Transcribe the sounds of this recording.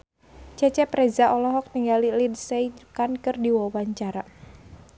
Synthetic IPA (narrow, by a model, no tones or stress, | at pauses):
t͡ʃɛt͡ʃɛpɾɛzaʔɔlɔɦɔk̚niŋɡalilidsɛikankɨrdiwɔwaɲt͡ʃaɾa